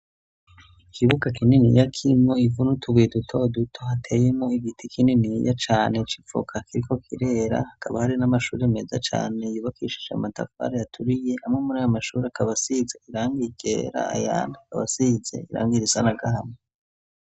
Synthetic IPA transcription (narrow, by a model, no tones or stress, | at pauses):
ikʰiβuɡakininḭjakʰimŋo̞ivunutʰuɡidutʰo̞dutʰohatʰe̞jemŋo̞iɡitikininija̰t͡ʃaːne̞t͡ʃi̥p͡fo̰kʰakiɾiko̞kʰiɾe̞ɾa̰hakʰaβahaɾinamaʃuːɾeme̞zat͡ʃa̰ːne̞juːβakiʃi̥ʒa̰mata̰fa̰ɾajatʰuɾije̞ʔamŋemuɾaːjomaʃuːɾeakaβasizeiɾaːŋɡiɡḛːɾa̰a̰ja̰ːnakaβa̰size̞̰iɾa̰ːŋɡiɾisanaɡaɦano